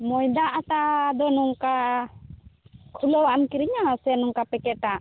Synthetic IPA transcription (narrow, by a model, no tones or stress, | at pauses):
mɔjd̪aʔat̪aʔd̪ɔnuŋka | kʰulɔwaʔamkiɾiɲaasɛnuŋkapɛkɛʈaʔ